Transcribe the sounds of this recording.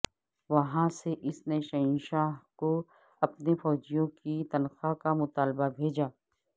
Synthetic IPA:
ʋɐɦãseʔɪsneʃɐĩːʃaːɦko | ɐpnefɔːd͡ʒijõkit̪ɐnxakamʊt̪aːlbabʱeːd͡ʒaː

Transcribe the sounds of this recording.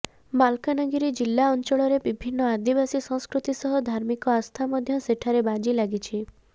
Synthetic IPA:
malkanɔɡiɾid͡ʒilːaɔnt͡ʃɔɭɔɾebibʱinːɔad̪ibasisɔ̃ŋ̃skɾut̪isɔɦɔd̪ʱaɾmikɔast̪ʰamɔd̪ʱjɔseʈʰaɾebad͡ʒilaɡit͡ʃʰi

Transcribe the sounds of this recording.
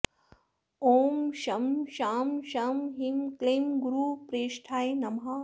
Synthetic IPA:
oːmʃɐmʃaːmʃaːmɦimkleːmɡuɾuːpɾeːʃʈʰaːjnɐmɦa

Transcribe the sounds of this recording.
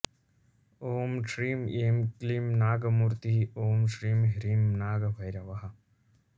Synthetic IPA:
oːmʂɾiːmeːmklimnaːɡɐmuɾt̪iɦioːmʂɾiːmɦiɾimnaːɡɐbʱɐjɾɐʋɐɦɐ

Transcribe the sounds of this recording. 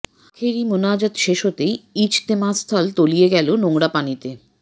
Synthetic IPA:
akʰeɾimonad͡ʑat̪ʃeʃot̪ejit͡ɕt̪emãst̪ʰɔlt̪olijeɡɛlonoŋɽapanit̪e

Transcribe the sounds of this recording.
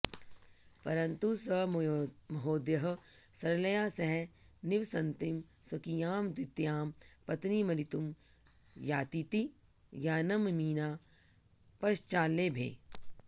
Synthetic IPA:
pɐɾɐ̃nt̪usɐ | mɐɦoːd̪jɐɦɐsɐɾlɐjaːsɐɦɛ̃nɪʋsɐ̃nt̪imsɐkijaːmd̪wɪt̪jaːmpɐt̪nimɐlit̪um | jaːt̪it̪i | jaːnɐmmiːnaː | pɐʃt͡ʃaːlːeːbʱḛː

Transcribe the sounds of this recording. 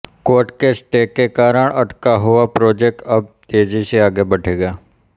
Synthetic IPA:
koːʈkesʈeːkekaːɾəɳəʈkaɦʊapɾoːd͡ʒek̚ʈəb̚t̪eːd͡ʒiseaːɡebəʈʰeːɡaː

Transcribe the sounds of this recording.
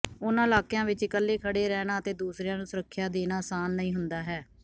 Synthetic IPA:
ʊnãːɪlaːkjãːʋɪt͡ʃkəlːeːkʰəɽeːɾɛːnaːət̪eːd̪uːsɾejãːnũːsʊɾəkʰːjaːd̪eːnaːsaːnːəĩːɦʊnd̪aːɦɛː

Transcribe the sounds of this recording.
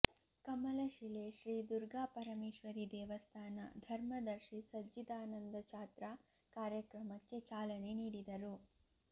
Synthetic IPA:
kɐmɐlɐʃileʃɾiːd̪uɾɡaːpɐɾɐmeːʃʋɐɾid̪ɛːʋɐst̪ʰaːnɐ̰d̪ʱɐɾmɐd̪ɐɾʃisɐd͡ʒid̪aːnɐnd̪ɐt͡ʃaːt̪ɾa | kaːɾjɐkɾɐmɐkːe̞t͡ʃaːlɐne̞niːɽid̪ɐɾu

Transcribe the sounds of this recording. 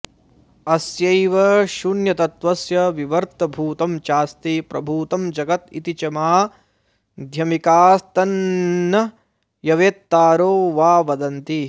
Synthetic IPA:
ɐsjɐjʋɐʃunjɐt̪ɐt̪ʋɐsjɐʋiʋɐɾt̪ɐbʱuːt̪ɐmt͡ʃaːst̪ipɾɐbʱuːt̪ɐmd͡ʒɐɡɐt̪ḭt̪it͡ʃɐmaː | d̪ʱjɐmikaːst̪ɐnːɐ | jɐʋeːt̪ːaːɾoːʋaːʋɐd̪ɐnt̪i

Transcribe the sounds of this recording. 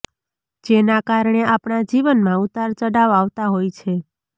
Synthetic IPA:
d͡ʒenakaɾɳeapɳad͡ʒiʋənmãut̪aɾt͡ʃəɽaʋaʋt̪aɦojt͡ʃʰe

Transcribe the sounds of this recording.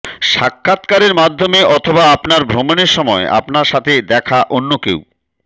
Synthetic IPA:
ʃakʰːat̪kaɾeɾmad̪ʱːomeʔɔt̪ʰobaapnaɾbʱɾomoneɾʃɔmɔeʔa̰pnaɾʃat̪ʰed̪ɛkʰaʔonːokḛw

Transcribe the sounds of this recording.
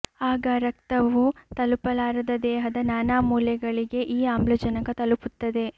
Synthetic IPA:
aːɡɐɾɐkt̪ɐʋut̪ɐlupɐlaːɾɐd̪ɐd̪ɛːɦɐd̪ɐnaːnaːmuːljɐɡɐɭiɡe̞ʔiːaːmbluːd͡ʒɐnɐɡɐt̪ɐluput̪ːɐd̪e̞

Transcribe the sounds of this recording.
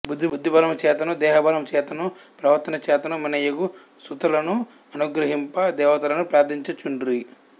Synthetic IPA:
bud̪ʱːibud̪ʱːibɐlɐmt͡ʃɛːt̪ɐnud̪ɛːɦɐbɐɾɐmt͡ʃɛːt̪ɐnupɾɐʋɐɾt̪ːɐnɐt͡ʃɛːt̪ɐnuminɐjɐɡu | sut̪ɐlɐnu | ɐnuɡɾɐɦimpɐd̪ɛːʋɐt̪ɐlɐnupɾaːd̪iɲt͡ʃɐt͡ʃːunɖɾi

